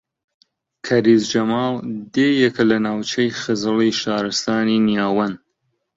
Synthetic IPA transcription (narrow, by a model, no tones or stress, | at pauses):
kʰɐɾiːzd͡ʒɐmɑːlˠd̪eːjɛkɐlɐnaːwt͡ʃʰɐjxɨzɨliʃaːɾɨst̪aːninijaːwɐn